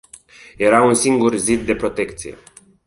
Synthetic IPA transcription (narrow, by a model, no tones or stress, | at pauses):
je̞ɾaunsiŋɡurzit̪̚d̪e̞pɾo̞t̪e̞kt̪sije̞̰